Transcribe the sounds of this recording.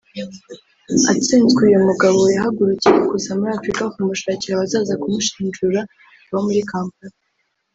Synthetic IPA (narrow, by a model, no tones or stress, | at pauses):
a̰t͡siːnzɡejomuɡaβo̞jaɦaɡuɾucijeɡusamuɾiafɾikaokumuʃaːciɾaβazaːzakumuʃi̥ːnd͡ʒuɾa | βomuɾikaːmpaɾa